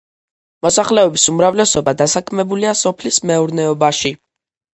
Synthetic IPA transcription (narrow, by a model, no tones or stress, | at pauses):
mɔsaχlɛɔbisumɾavlɛsɔbad̪asakʰmɛbuliasɔpʰlismɛuɾnɛɔbaʃi